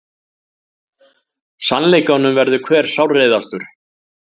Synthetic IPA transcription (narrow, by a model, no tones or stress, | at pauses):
sanlejkanːʏmvɛɾðʏkʰvɛːɾ̥sawrejðast̪ʏɾ̥